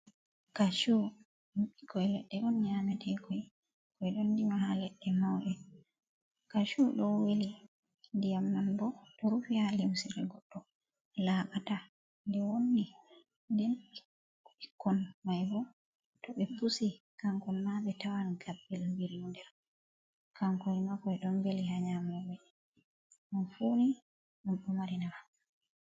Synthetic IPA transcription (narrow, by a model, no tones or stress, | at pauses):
kaʃu | ikɔjlɛɗːɛʔɔnɲamɛtʰɛkɔj | kɔjɗɔndimahalɛɗːɛmawɗɛ | kaʃuɗɔweli | ndijamːanbɔɗɔɾufihalimsiɾɛɡɔɗːɔ | laɓata | ndɛwonːi | ndɛn | ikʰːɔnmajbɔ | tɔɓɛpusi | kaŋkɔnmabɛtawanɡabːɛlmbiɾiundɛ | kaŋkɔnimakɔɛɗɔnbelihaɲamɔbɛ | mɔnfuni | munɗɔmaɾinaa